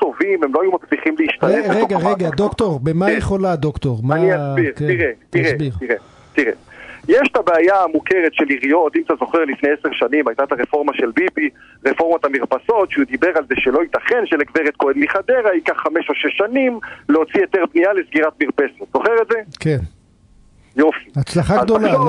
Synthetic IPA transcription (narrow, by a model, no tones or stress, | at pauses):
t̪o̞vimemloajumat͡sliχimleiʃt̪aneʁeɡaʁeɡad̪okt̪o̞ʁbemajeχo̞lad̪okt̪o̞ʁmaniasbiʁkeiʁet̪iʁebiʁtiʁe | t̪iʁḛjeʃt̪abeajaamukeʁet̪ʃeliʁijo̞t̪imatazo̞χeʁlifne̞jeseʁʃanimajt̪at̪aʁefo̞ʁmaʃe̞lbibiʁefo̞ʁmat̪amiʁpaso̞t̪ʃeud̪ibe̞ʁalzeʃelo̞it̪aχenʃelekveʁet̪̚koenmiχad̪eʁaikaχːameʃoʃeʃːanimleo̞t͡sijo̞t̪eʁbnijalesɡiʁat̪miʁpesot̪z̥o̞χeʁetzeken | jofiat͡slaχaɡd̪ola